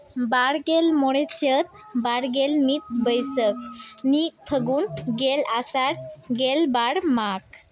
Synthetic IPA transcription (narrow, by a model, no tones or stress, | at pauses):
baɽɡelmɔɽet͡ɕət̪̚baɽɡelmit̪̚bəjsək̚nik̚t̪ʰəɡuːnɡelasaɽɡelbaɽmak